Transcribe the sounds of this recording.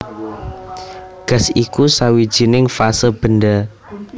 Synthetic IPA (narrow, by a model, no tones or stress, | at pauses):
ɡ̥a̤sikusawid̥ʒ̥i̤nɪŋfasəb̥ə̤nda